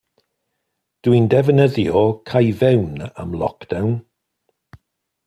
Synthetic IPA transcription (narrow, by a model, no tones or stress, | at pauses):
d̥windɛvənəðjɔkʰajvɛwna̰mlˠɔ̰kd̥awn